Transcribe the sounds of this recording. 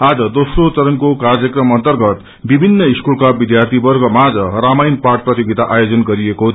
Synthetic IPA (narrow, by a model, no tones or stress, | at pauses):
ad͡zʌd̪osrot͡sʌɾʌnkokard͡zjʌkrʌmʌnt̪ʌrɡʌt̪ | bibʱinːʌiskulkabid̪jart̪ʰibʌrɡʌmad͡zʌramajnparʈ̚prʌt̪joɡit̪aʔajod͡zʌnɡʌɾieko